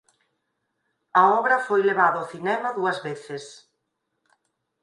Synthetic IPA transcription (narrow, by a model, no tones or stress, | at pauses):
ɐɔβɾɐfojleβaðaoθinɛmɐðuɐzβeθɪs